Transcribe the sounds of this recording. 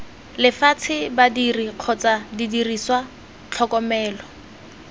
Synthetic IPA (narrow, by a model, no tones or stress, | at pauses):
lɪfat͡sʰɪbadiriq͡χʰɔt͡sadidiriswa | t͡ɬʰɔkɔmɛːlɔ